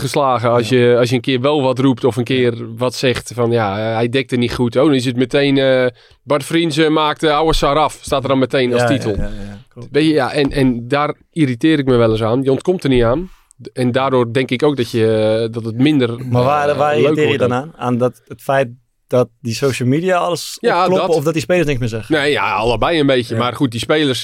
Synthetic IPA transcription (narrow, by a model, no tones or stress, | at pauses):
xəslaːɣəɑsjəɑs̬jənkɪərʋɛlˠʋɔtrup̚tɔfənkɪərʋɔtsɛxtfɔnjaəhɛjdɛk̚tərnitχutowdɔnɪs̬ətməteːnə | badəfrinsəmaːk̚təawəsaɾɔfstaːtərɔnməteːnɔstitəlˠ | ʋeəjaʔɛnʔɛndar | iritɪːɾɪk̚məʋɛlˠəs̬aːnjəontkomtərniaːn | ɛndaːdoːrdɛŋkɪkowk̚dɔtjədɔtətmɪndərmaaʋaːløːkːjədɔnaːnaːndɔtətfɛjt̚ | d̥ɔt̚disoːʃəlˠmidiaɔləsjaldɔɔfdɔt̚dispeːləsnɪŋkmɪsɛxneːja̰ɔ̰lˠəbɛjənbeːtjəmarχut̚dispeːlˠərs